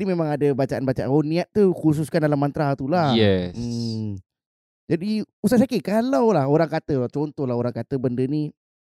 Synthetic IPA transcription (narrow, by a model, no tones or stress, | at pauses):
adimemãŋadabat͡ʃaʔanbat͡ʃaʔaoniaʔ̪̚t̪ːukus̬uskandalamant̪ɾat̪ulajɛə | d͡ʒadiusasakikalawlahoɾaŋkat̪ət͡ʃɔnt̪ɔhlaɦoɾaŋkat̪əbəndəni